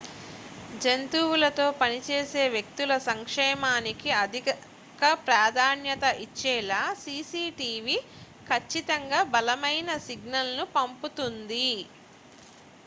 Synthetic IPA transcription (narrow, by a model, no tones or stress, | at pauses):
d͡ʒent̪uːwulɐt̪o̞ːpɐnit͡ʃeːse̞ːʋjek̚t̪ulɐsɐŋkʂɛːmaːnikiɐd̪ʱi | kɐpɾaːd̪ʱaːnjɐt̪ɐʔit͡ʃːɛːlaːsiːsiːʈiːʋi | kʰɐt͡ʃːit̪ɐŋɡaːbɐlɐmɐjnɐsiɡnɐlnupɐmput̪und̪i